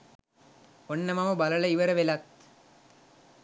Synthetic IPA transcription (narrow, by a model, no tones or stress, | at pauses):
onːɐmɐmɐbɐlɐlɐiʋɐɾɐʋelɐt̪